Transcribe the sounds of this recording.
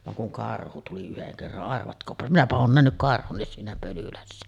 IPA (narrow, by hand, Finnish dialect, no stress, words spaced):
ʋɑŋ kuŋ kɑrhu tuli yheŋ kerːɑn ɑrʋɑtkoːpɑ minæpæ oːn næhnyk siːnæ pølylæsːæ